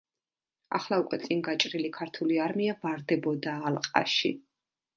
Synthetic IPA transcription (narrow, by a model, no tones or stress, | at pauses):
a̰χlˠaukʼwɛt̪sʼiŋɡat͡ʃʼɾilikʰaɾt̪ʰuliaɾmiavaɾd̪ɛbɔd̪aːlˠqʼa̰ʃḭ